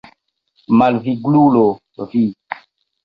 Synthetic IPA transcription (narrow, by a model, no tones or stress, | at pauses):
malviɡlulo | vi